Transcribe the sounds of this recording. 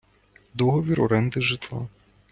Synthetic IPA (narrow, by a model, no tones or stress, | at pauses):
d̪ɔɦɔʋʲiɾɔɾɛnd̪ɪʒɪt̪lˠa̰